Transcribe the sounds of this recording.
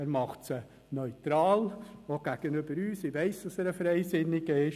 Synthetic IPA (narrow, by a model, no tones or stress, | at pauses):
ɛːɾmɑχtsə | nœʏt̪ɾɑːloɡ̥æɡ̥ənøbəɾyːsɪʋɛɪsd̥ɑsɛːɾəfɾɛɪsɪnːɪɡəɪʃ